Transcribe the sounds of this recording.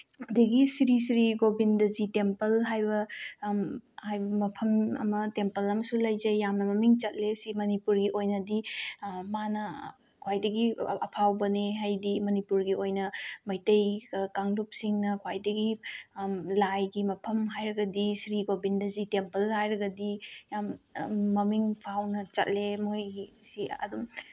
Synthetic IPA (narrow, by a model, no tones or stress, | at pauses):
ɐdɐɡisɾisɾiɡobindɐzitempɐlɦajbɐ | hajbɐmɐpʰɐmɐ̰mɐtempɐlɐmɐsulɐjzɐjːamnɐmɐmiŋt͡ʃɐt̚lesimɐnipuɾɡiʔojnɐdimanɐ | kʰwajdɐɡiɐpʰawbɐneɦajdimɐnipuɾɡiojnɐmɐjtejkaŋlup̚siŋnɐkʰwajdɐɡi | lajɡimɐpʰɐmɦajɾɐɡɐdisɾiɡobindɐzitempɐlːhajɾɐɡɐdijamːɐmiŋpʰawnɐt͡ʃɐt̚lemojɡisiɐ̰dum